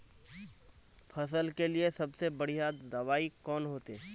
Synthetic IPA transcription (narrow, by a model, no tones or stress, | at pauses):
pʰɐsəlkeliesɐbsebɐɽ̤ijad̪d̪ɐʋaːikɔːnɦoːt̪e